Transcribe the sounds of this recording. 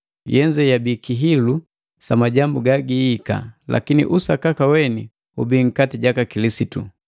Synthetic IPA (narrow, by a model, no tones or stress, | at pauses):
jɛɲd͡ʒɛjabikiɦilu | samaɟambuɡaɡiːka̰la̰kinḭʔusakakawɛni | ubiŋ̩katiɟakakilisitṵ